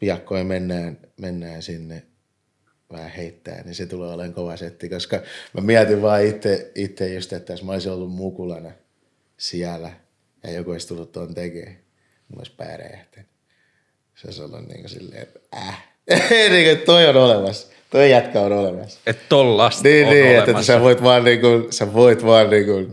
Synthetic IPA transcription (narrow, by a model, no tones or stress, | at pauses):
piɑkːoimenːæːnmenːæːnsinːe | ʋæhæheit̪ːæ̰ːnniset̪uleːoleŋkoʋɑset̪ːikoskɑmæmiæt̪iʋʋɑːit̪ːeit̪ːejjust̪et̪ːæsmæoisiolːummukulɑnɑ | siælæ | jɑ̰jokuoist̪ulːut̪t̪ont̪ekḛː | uno̰ispæ̰ːræ̰jæ̰ht̪e̥n | seo̰iso̰lːṵnnḭːŋkosḭlːḛːt̪æ | eniːŋkoet̪t̪oionolemɑs | t̪oijæt̪kæonolemɑ̰set̪t̪olːɑsniːnniːet̪ːeseʋoit̪ʋɑːnniːŋkunseʋoit̪ʋɑːnniːŋkun